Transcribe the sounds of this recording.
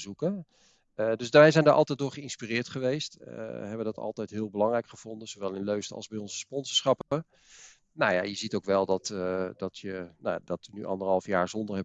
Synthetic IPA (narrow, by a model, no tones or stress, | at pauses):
zukə | dɵsʋɛjzɛjndaːɹʔɑlˠtɛj̚dʊːɹχəɪnspirɪːɹtχəʋejstə̰ɦɛbədɑtɑ̰lˠtɛjtɦɪːlˠbəlɑŋrɛjkχəv̥ɔndənzoʋɛlˠɪnløɥstəɑ̰lˠzbɛjɔnzəspɔnzəɹsχɑpə | nawja̰jəzitowkʋɛlˠdɑtdɑtʰjənaadɑtynyʔɑ̰ndəɹɦɑlˠfjaːɹzɔndəɹɦɛ